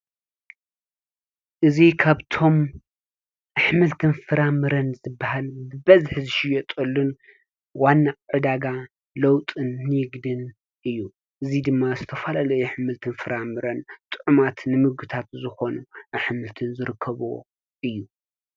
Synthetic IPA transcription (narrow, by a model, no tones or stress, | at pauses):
ʔɨzikʰaβt̪ʰo̞m | aħmɨlt̪ʰɨnfɨɾamɨɾɐnzɨbːahalbɨbɐzħzɨʃɪjot̪ʼɐlːun | wanːaʕɨd̪aɡa | lɐwt̪ʼɨnːɨjɪɡd̪ɨn | ʔɨjːu | ʔɨzid̪ɨmːazɨt̪ʰɐfalalɐjuħɨmɨlt̪ʰɨnfɨɾamɨɾɐnt̪ʼɨʕumat̪nɨmɨɡɨt̪ʰat̪zɨxo̞nuʔaħmɨlt̪ʰɨnzɨɾɨkʰːɐβo̰ | ʔɨjːu